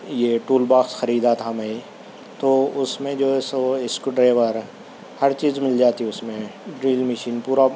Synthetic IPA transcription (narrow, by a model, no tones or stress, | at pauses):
jeʈuːlbaːksxɐɾiːd̪at̪ʰamẽ | t̪oːʊsmẽd͡ʒoːɪsoɪskɖɾeːʋəɾ | hɐɾt͡ʃiːzmɪld͡ʒaːt̪iʊsmẽɖɾiːlmɪʃiːnpuːɾa